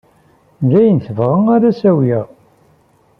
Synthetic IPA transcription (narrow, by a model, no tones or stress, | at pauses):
nd͡ʒæjənθəvʁəŋæɾæsæwjæ